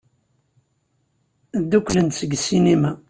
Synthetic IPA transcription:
d̪ːukʷːlənt̪səɡsinimæ

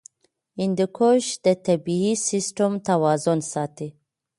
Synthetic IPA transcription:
ind̪əkʰoʃd̪̥ət̪abiisisʈəmt̪awɑzʊnsɑt̪i

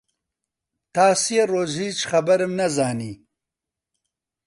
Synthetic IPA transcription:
t̪aːsijeɾoːzhiːt͡ʃxɐbɐɾəmnɐzaːniː

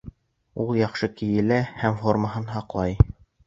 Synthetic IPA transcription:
ulˠjɑχʃɤkijɘ̆læhæmfo̞rməɦɤnɦɑqlˠɑj

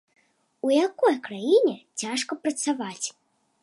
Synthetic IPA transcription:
ujakɔjkɾajinʲɛt͡sʲaʂkɐpɾɐt̪savat͡sʲ

